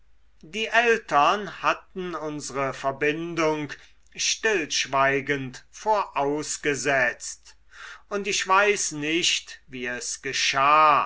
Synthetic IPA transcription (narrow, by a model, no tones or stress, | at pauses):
diːʔɛltɐnhatn̩ʊnzəʁəfɛɐbɪndʊŋk | ʃtɪlʃv̥aɪɡəntfoːɐʔaʊsɡ̥əzɛt͡st | ʊntɪʃv̥aɪsnɪʃtviːɛsɡ̥əʃaː